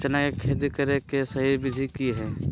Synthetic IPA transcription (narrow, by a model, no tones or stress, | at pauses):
t͡ʃɐnakekʰeːd̪ikɐɾekesɐɦiːɾbɪd̪ʱikiɦɛː